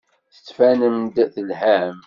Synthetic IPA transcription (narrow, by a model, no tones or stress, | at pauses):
θə̥t͡sːfænəmd̪θəlhæm